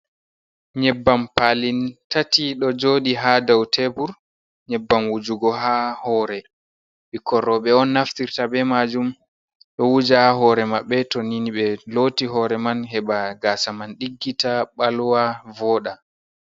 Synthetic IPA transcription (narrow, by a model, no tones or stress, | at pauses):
ɲɛbːampalintatiɗɔd͡ʒoːɗiɦadawtʰebuɾ | ɲɛbːamwud͡ʒuɡɔɦahɔːɾɛ | ɓikɔɾːɔɓɛɔnːaftiɾtabɛmad͡ʒum | ɗɔwud͡ʒahaɦɔːɾɛmaɓːɛtoniniɓɛlotiɦɔɾɛmanɦɛɓaɡaːsamanɗiɡːitaɓalwavɔːɗa